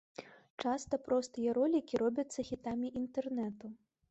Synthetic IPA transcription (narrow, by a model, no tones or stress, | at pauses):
t͡ʂast̪ɐpɾɔst̪ɨjɐɾɔlʲikʲiɾɔbʲɐt̪sːɐxʲit̪amʲiʔint̪ɛrnɛt̪u